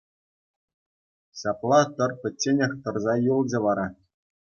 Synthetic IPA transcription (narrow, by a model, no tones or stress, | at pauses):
ɕɑplˠɑt̪ɤ̆rpʲɘ̆t͡ɕʲːenʲɘ̆xt̪ɤ̆rzɑjulˠd͡ʑɘ̆ʋɑɾɑ